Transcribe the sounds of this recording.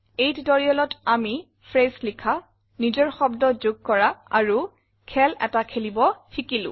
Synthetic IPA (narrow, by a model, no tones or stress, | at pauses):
ejtdɔɹiɔlɔtami | fʰɹeslikʰa | nizɔɹxɔbdɔzʊɡ̚kɔɹaa̰ɹu | kʰɛlɛ̰takʰelibɔxikilʊ̰̃